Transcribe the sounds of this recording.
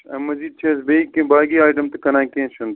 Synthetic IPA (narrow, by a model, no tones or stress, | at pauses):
ɐmɐziːd̪̚t͡ʃʰeːsbeikẽbaːɡiːaːjʈɐmt̪ɐkɐnãːkẽːʃɐnt̪